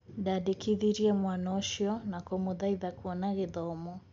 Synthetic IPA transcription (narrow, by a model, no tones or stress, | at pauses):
dadikiðiɾiɛmwanɔʃjɔnakɔmuðaiðakuɔnaɣiðɔmɔ